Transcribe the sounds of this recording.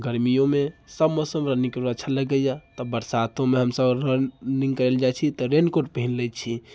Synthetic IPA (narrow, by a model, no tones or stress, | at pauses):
ɡəɾmijõmesəbmosəmɾənikəɾət͡ʃʰaləɡəjat̪ɔbəɾsat̪õmeɦəmsəbɾəniŋɡkəɾɛld͡ʒat͡ʃʰit̪ɔɾenkoʈ̚pəɦinlɛjt̪t͡ʃʰi